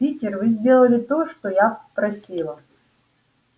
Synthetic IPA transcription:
itʲɪrvɨzʲdʲe̞lˠəlʲɪt̪oʂt̪ojapɾɐsʲilˠə

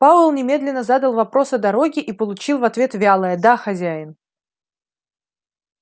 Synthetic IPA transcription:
paʊlˠnʲɪmʲe̞d̪lʲɪnːəzad̪əlˠvɐpɾo̞sɐd̪ɐɾo̞ɡʲɪʔipəlˠʊt͡ɕilˠvɐt̪vʲe̞t̪vʲalˠəjəd̪axɐzʲæjɪn

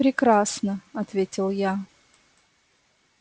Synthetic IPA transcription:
pɾʲɪkɾasnəɐt̪vʲetʲɪlˠja

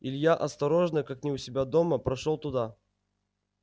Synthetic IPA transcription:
ɪlʲjaʔɐst̪ɐɾo̞ʐnəkaknʲɪʊsʲɪbʲad̪o̞məpɾɐʂolˠt̪ʊd̪a

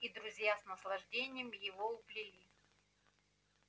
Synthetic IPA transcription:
id̪ɾʊzʲjasnəslˠɐʐdʲenʲɪjəmjɪvoʊplʲɪlʲi

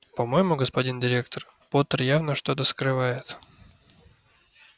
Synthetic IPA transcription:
pɐmo̞jɪmʊɡəspɐdʲindʲɪɾʲe̞kt̪ər | pot̪ərjavnəʂt̪o̞t̪əskɾɨvajɪt̪

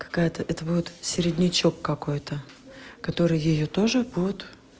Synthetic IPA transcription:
kɐ̥kajət̪əʔɛt̪əbudʲɪt̪sʲɪɾʲɪdʲnʲɪt͡ɕo̞kːɐko̞jt̪ə | kɐt̪o̞ɾɨjjɪjot̪o̞ʐɨbud̪ʲɪt̪

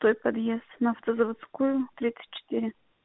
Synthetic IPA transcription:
t̪ojpɐd̪jest̪nɐɐft̪əzəvɐt̪skujʊt̪ɾʲit̪sə̥t̚ʲt͡ɕːɪ̥t̪iɾʲɪ

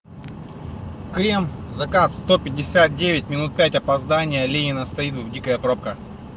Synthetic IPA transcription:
kɾʲemzɐkat̪sst̪opʲɪdʲɪsʲat̪̚dʲevʲɪt̚ʲmʲɪnut̪̚pʲætʲɐpɐzd̪anʲɪjəlʲenʲɪnəst̪ɐit̪vdʲikəjəpɾop̚kə

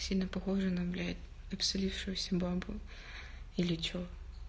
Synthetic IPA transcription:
sʲilʲnəpɐxoʐɨnɐblʲatʲ | ɐpsɐlʲifʂɨjʊsʲɐbabʊ | ilʲɪt͡ɕo

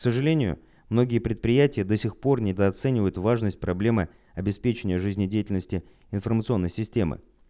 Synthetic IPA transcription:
ksəʐɨlʲenʲɪjʊ̰ | mno̞ɡʲɪjəpɾʲɪt̪̚pɾʲɪjætʲɪjəd̪əsʲɪxpo̞rnʲɪd̪əɐt̪sɛnʲɪvəjʊt̪vaʐnəsʲt̚ʲpɾɐblʲe̞mɨ | ɐbʲɪspʲet͡ɕɪnʲɪjəʐɨzʲnʲɪdʲejɪtʲɪlʲnəsʲtʲɪ | ɪnfərmət̪sɨo̞nːəjsʲɪsʲtʲe̞mɨ̰

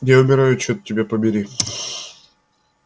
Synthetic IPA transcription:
jaʊmʲɪɾajʊt͡ɕot̪tʲːɪbʲepəbʲɪɾʲi

